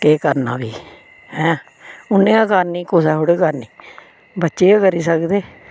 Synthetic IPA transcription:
keːkəɾna̰ːbiː | hɛ̃ː | ʊnːẽːakəɾniːkʊsɛːɦoɽeːkaɾniː | bətːʃeːkəɾiːsəkd̪eː

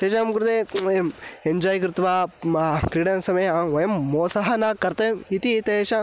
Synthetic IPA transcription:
t̪eːʃɐɐmɡuɾud̪e | eɲd͡ʒaːjkɾɪt̪ʋa | kɾiːɽɐnsɐmɐjɐʋɐjɐmːoːsɐɦɐnakɐɾt̪ɐit̪it̪eːʃɐ

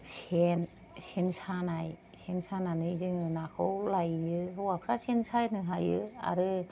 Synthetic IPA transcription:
sen | sensanaj | sʰensananɯizɯŋɯnakʰɯwlajːɯɦɯwakʰɾasensajnɯɦajɯa̰ɾɯ

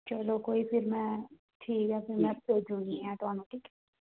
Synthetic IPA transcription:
t͡ʃɐlokoːipʰɪɾmɛ̃ | ʈʰiːkɦɛfʰɪɾmɛ̃eːd͡ʒũŋiɛaːʈaːmeʈikː

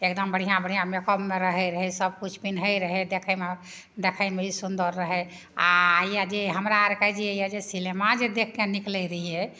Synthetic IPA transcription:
ekd̪əmbəɽ̤ijãbəɽ̤ijãmekəbmeɾəɦɛɾəɦɛsəb̚kut͡ʃʰpinɦəjɾəɦɛd̪ekʰəjme | d̪ekʰəjmeisund̪əɾːəɦɛ | a̰jad͡ʒeɦəmɾaɾkajd͡ʒiəjad͡ʒesilemad͡ʒed̪ekʰkeniklɛɾəɦiɛ

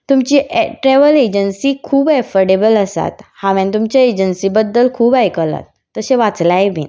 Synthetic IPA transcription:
t̪umt͡ɕiːʈɾɛʋəled͡ʑənsiːkʰuːbɛfəɽebələsa̰t̪haʋɛ̃nt̪̬umt͡ɕjaed͡ʑənsiːbəd̪ːəlkʰuːbajkəla̰t̪ːəɕẽʋat͡slajbḭn

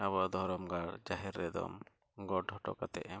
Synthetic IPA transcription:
abad̪ɔɾɔmɡaɽd͡ʒaɦiɾːɛd̪ɔ̰m | ɡɔʈɦɔʈɔ̰kat̪ɛ̰ʔɛ

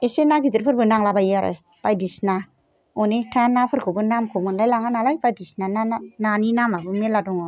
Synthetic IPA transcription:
esenakidɯɾpʰɯɾbɯnaŋlabajaɾɯ̰j | pajdisna | ɔnetʰanapʰɯɾkʰɯbɯnamkʰomɯnlajlaŋanalajbajdisnanananinamabɯmeladɔŋɔ

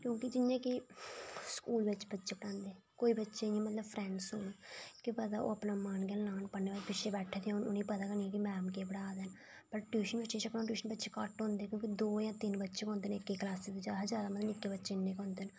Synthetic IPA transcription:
kjõːkɪd͡ʒɪnjãːki | skuːlʋɪtt͡ʃbətːʃeːpəɽãːnd̪eː | koːiːbətːʃeːɪjãːmət̪ləbpʰɾɛ̃ːɳɖsoːnekɪpət̪aːʔo̰ːəpnãːmaːnɡɛːlnaːnpənːeːbaːpɪʃeːbɛːʈʰːeːt̪enʊniːpət̪aːkənĩkɪmɛːmkeːbəɽaːd̪ɛːn | pəɾʈjuːʃənbəʃeːt͡ʃəkãːʈjuːʃənbətːʃeːkaːʈɦõːnd̪eːkjõːkid̪oːjãːt̪ɪnbətːʃeːkɔ̃ːnd̪eːnɪkːeːklaːsed̪ed͡ʒaɦəd͡ʒaːd̪aːmət̪əmɪkːeːbətːʃeːnːẽːkɔ̃ːnd̪eːn

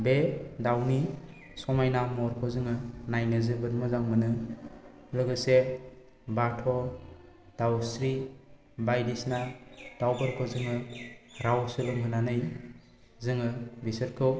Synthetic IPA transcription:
bedawni | sɔmajnamɔɾkʰɔzɯŋɯnajnɯzɯbɯt̚mɔzaŋmɯnɯ | lɯɡɯse | batʰɔ | d̥awsɾi | bajdisnad̥awbɯɾkʰɔzɯŋɯɾawsɯlɯŋɦɯnanɯj | zɯŋɯbisɯɾkʰɯw

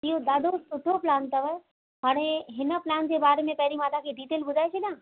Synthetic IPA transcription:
ĩːõd̪aːd̪ʱosʊʈʰoplãːnt̪ɐʋə | ɦaːɽ̃eɦɪnə̆plaːnd͡ʑeːbaːɾemẽpɐɦɪɾimaːd̪akʰeɖiːt̪eːlbʊzʱaːesʰɐɗjãː

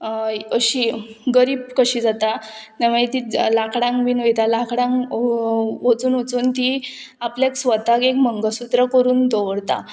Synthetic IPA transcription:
əɕiːɡəɾiːb̚kəɕiːd͡zat̪at̪aʋ̤ət̪ilakɽãŋkbiːnojt̪alakɽãŋk | ʋot͡suːnot͡suːnt̪i | apljaksʋət̪akekməŋɡəsut̪ɾəkəɾuːnd̪oʋɽt̪a̰

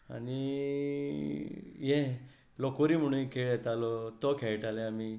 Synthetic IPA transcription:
a̰ñi | jɛ | lɔkɔɾim̤əɽ̃ũkʰeɭɛt̪alɔt̪ɔkʰɛɭʈalɛami

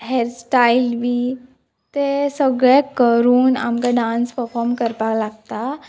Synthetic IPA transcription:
ɦeɾsʈaːɪlbʱi | t̪esəɡɾekəɾuːna̰mkaɖãːnspəɾfʰɔːɾmkəɾpalaɡ̚t̪a

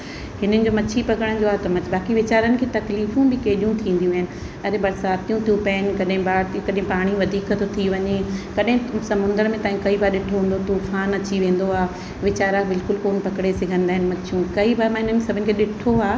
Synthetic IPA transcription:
hɪn̤ənɪ̆d͡ʑomɐt͡ɕʰipɐkəɽ̃d͡ʑoat̪ɐmɐt͡ɕbaːkiʋɪt͡ɕaːɾənɪ̆kʰeːt̪ɐkliːfjũbʱɪkeːɗijũt̪ʰĩːn̆d̪ijũaːɦɪnɪ̆ | ɐɾebɐɾsaːt̪ijũt̪ʰijũpɛːnkɐɗɦɪ̃baːɾkɐɗɦɪ̃paːɽ̃iʋɐd̪ʱiːkt̪ʰot̪ʰiʋɐɲekɐɗɦɪ̃sɐmʊ̃nd̪əɾmẽt̪aːɦĩkɐibaːɾɗɪʈʰoɦũn̆d̪ot̪ufaːnɐt͡ɕiʋẽːn̆d̪oaː | ʋɪt͡ɕaːɾãbɪlkʊlkoːnpɐkɽesɪɡʱə̃nd̪aːɦɪnɪmɐt͡ɕʰjũkɐibaːɾmãɦɪnənsɐbʱɪʊnɪ̆kʰeːɗɪʈʰoaː

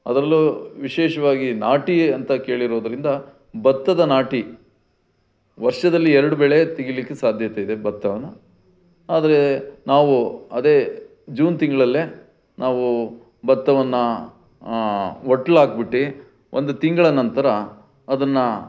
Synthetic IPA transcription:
ɐd̪ɾɐlːuʋiʃeːʃɐʋaːɡinaːʈiɐnt̪ɐke̞ːɭiɾo̞ːd̪ɐɾind̪ɐ | bɐt̪ːɐd̪ɐnaːʈi | ʋɐɾʂɐd̪ɐlːiɛɾɐɽubɛɭet̪iɡilikːesaːd̪ʱjɐt̪eid̪e̞bɐt̪ːɐʋɐnːɐ | aːd̪ɐɾe̞naːʋuɐd̪eː | d͡ʒuːnt̪iŋɡɐɭɐlːe | nʔaːʋu | bɐt̪ːɐʋɐnːɐ | oʈːlaːɡ̚biʈːi | ʔond̪ut̪iŋɡɐɭɐnɐnt̪ɐɾɐ | ɐd̪ɐnːɐ

